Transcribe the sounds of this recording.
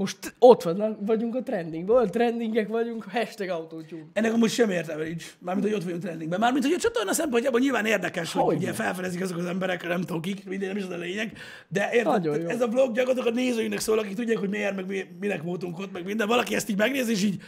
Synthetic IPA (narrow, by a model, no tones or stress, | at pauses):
moʃt̪ot̪ʋɒnːɒkʋɒɟuŋkɒt̪ɾɛnd̪iŋɡbolt̪rɛnd̪iŋɡɛkʋɒɟuŋkhɛʃt̪ɛɡɒut̪oːcuɛnːɛkɒmoʃɛmeːrt̪ɛmɛlit͡ʃmaːrmint̪hoo̞t̪ʋɒɟuŋkt̪rɛnd̪iŋɡbɛmaːɾrminhoot͡ʃot̪ornɒsɛmponɲcjaːbolɲilvaːneːrd̪ɛkɛʃhouɟɛfɛlfɛd̪ɛzikɛzokɒzɛmbɛɾɛkɒnɛmt̪okikmind̪ɛnɛmiʃozleːɲɛɡ | d̪ɛʔeːrɟojɛzɒbloɡjɒɡɔt̪okɔt̪neːzøːjynɛksoːlɒk̬ikt̪uɟːaːkhoɟmiɛrmɛɡmiminɛkmoːt̪uŋkot̪mɛɡmind̪ɛvɒlɒkiɛst̪iːɟmɛɡneːzeːʃ̬iːɟ